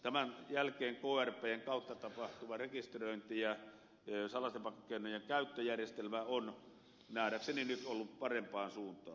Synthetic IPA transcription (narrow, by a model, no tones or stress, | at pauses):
t̪æmænjælkˑeːŋkoːærpˑeːeŋkɑˑut̪ːɑt̪ɑpɑht̪uʋɑrekist̪roˑint̪ijɑ | sɑlɑst̪epɑkːokːˑeˑinːojjeŋkæˑyt̪ːøjærjest̪elmæon | næˑːɾækseninyt̪ʔolːuppɑrempˑɑːnsuːnt̪ˑɑ̰ː